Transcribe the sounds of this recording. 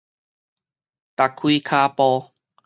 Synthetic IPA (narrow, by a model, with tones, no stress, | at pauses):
t̪a˨kʰːwiː˦kʰaː˧pɔ˧